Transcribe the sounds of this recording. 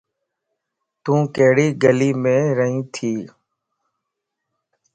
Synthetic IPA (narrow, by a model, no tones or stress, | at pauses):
t̪ũːkeːɽiːɡəliːmẽːɾəɦĩːt̪ʰiː